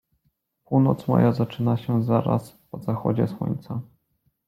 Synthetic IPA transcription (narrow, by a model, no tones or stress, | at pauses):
puwnɔt̪smɔ̰jʔazat͡ʂɘnaɕɛzaɾa̰spɔzaxɔd͡ʑɛswɔ̰ɲt̪sa